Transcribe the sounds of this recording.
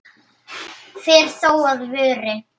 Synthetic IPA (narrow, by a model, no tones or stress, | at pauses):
fɪːɾ̥θoːwaðvʏːɾɪ